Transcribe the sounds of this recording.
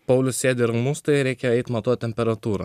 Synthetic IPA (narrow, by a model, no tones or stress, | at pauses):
pɐʊlʲʊsʲsʲeːd̪ʲeɪɾɐmust̪ɐɪɾʲɛɪkʲɛɛɪt̪mɐt̪uɔt̪ʲɛmʲpʲɛɾɐt̪uːɾɐ̰ː